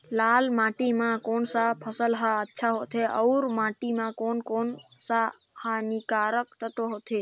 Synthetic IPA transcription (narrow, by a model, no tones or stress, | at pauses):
lalmãʈimãkonsapʰəsəlɦaətːʃʰaɦot̪ʰeəwɾmãʈimãkonkonsa | hanikaɾəkt̪ʰət̪oɦot̪ʰe